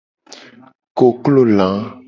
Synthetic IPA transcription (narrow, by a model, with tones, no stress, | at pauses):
ko˨klo˦˨lã˨˦